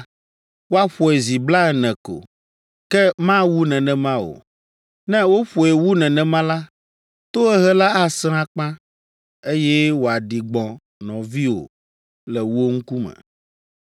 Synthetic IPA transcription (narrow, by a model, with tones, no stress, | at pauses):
wo˦a˦ɸɔ˨ɛ˨zi˨bla˦ɛ˨nɛ̃˨ko̰˨ | kɛ˦mã˦wu˦nɛ̃˨nɛ̃˨mã˦wo̰˨ | nɛ̃˦wo˦ɸɔ˨ɛ˨wu˦nɛ̃˨nɛ̃˨mã˦la˦ | t̪o˦ɛ˦ɦɛ˦la˦a˦sɾ̃ã˦k͡pã˦ | e˦jɛ˦wo˨a˨ɖi˨ɡ͡bɔ̃˨ | nɔ̃˨vi˦o̰˨ | lɛ˨wo˦ŋ̩˦ku˦mɛ̰̃˨